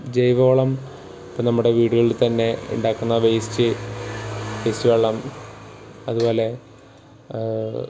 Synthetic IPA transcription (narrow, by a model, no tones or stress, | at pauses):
d͡ʑejʋo̞ːɭɐm | ɐpːonɐmːuɽe̞ʋiːɽuɣɐɭt̪ɐnːe̞ṵɳɖaːkːunːɐʋejsi̥t͡ɕːɨ | ʋest͡ɕːuʋeːɭːɐm | ɐðubo̞ːle̞